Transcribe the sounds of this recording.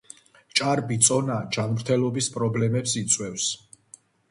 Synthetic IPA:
t͡ʃʼaɾbit̪sʼɔnad͡ʒanmɾt̪ʰɛlɔbispʼɾɔblɛmɛpsit̪sʼwɛfs

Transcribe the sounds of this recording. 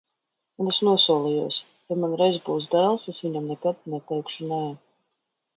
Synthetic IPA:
unesnuɔsuɔlˠijuɔs | jamanɾɛjzbuːs̬d̪æːlˠsesviɲamnɛkad̪nɛt̪ɛjkʃunɛɛ

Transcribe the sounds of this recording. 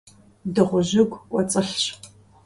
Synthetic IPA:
dɨʁʷʊʑɪɡʷɔt͡sʼɨɬɕ

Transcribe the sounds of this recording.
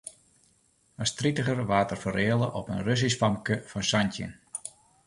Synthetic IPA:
astritəχərʋaːtərfəreːəlˠəʔɔpənrøs̬isfɑmkəfɔnsantjə̰n

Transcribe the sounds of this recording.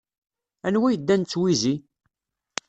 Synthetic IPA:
ænwæjəd̪ːænt͡sːwizi

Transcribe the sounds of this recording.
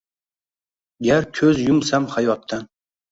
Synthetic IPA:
ɡʲæɾkʲʰɵzjʊmsamχɑjwɑp̚t̪ʰan

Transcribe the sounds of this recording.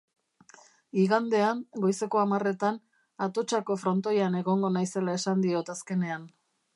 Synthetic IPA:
iɣand̪e̞aŋɡo̞jse̞ko̞amare̞t̪an | at̪o̞t͡ʃako̞fɾo̞nt̪o̞jane̞ɣo̞ŋɡo̞najse̞lae̞sand̪io̞t̪aske̞ne̞an

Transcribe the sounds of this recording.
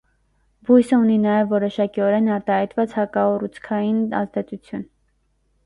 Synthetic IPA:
bujsəuninɑjɛvːɔɾɔʃɑkiɔɾɛnɑɾt̪ɑhɑjt̪vɑt͡shɑkɑɔrut͡sʰkʰɑjinɑ̰zd̪ɛt͡sut͡sʰjun

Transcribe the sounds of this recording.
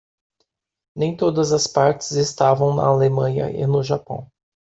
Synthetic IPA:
nẽj̃t̪od̪ɐzɐspaɾt͡ʃɪ̥zest̪avɐ̃w̃nɐ̰alemɐ̃ɲɐ̰ʔɪ̰nʊʒapɐ̰̃w̃

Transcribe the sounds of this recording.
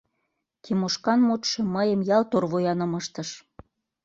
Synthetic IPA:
k̪ʰimoʃkɑnmut̪ʃɤ̆məjə̆mjɑlt̪orβojɑnɤ̆məʃt̪ə̆ʃ

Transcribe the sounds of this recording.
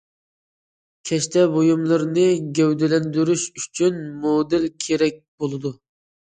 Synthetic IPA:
kʲʰɛʃt̪ʰɛbojumlˠɨɾnɨɡʲɛwd̪ɪlɛnd̪yɾyʃyt͡ʃʰynmod̪ɪlkʲʰeɾɛk̚ʲb̥olˠɨd̪u

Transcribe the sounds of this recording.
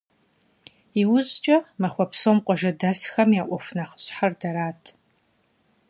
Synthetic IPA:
iwʊzt͡ʃʼɐmɐχʷɔpʰsomqʷʼɔʒɐdɐsxɐmjaːʔʷɔfnaχə̥ɕħardɐɾaːtʰ

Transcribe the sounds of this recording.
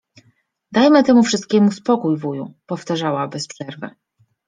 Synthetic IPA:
d̪ajmɘt̪ɛmufʂɘst̪̚kʲɛmuspɔkujvujupɔft̪aʐawabɛspʂɛɾvɘ̰

